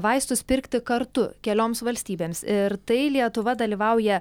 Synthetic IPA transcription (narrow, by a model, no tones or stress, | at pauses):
ʋɐɪst̪ʊspʲɪɾʲkt̪ʲɪkɐɾt̪ʊkʲɛlʲoːmsʋɐlʲsʲt̪ʲiːbʲeːmsɪɾt̪ɐɪlʲiɛt̪ʊʋɐd̪ɐlʲiːʋɐʊjɛ